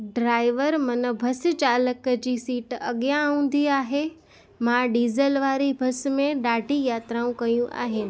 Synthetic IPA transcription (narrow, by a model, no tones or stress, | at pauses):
ɖɾaːɪʋəɾmɐnəbʱɐst͡ɕaːləkd͡ʑiːsiːʈɐɠjãũːnd̪iaːɦe | mãɖiːzəlʋaːɾibʱɐsmẽɗaːɖʱijaːt̪ɾaũkɐjũʔa̰ːɦenɪ̆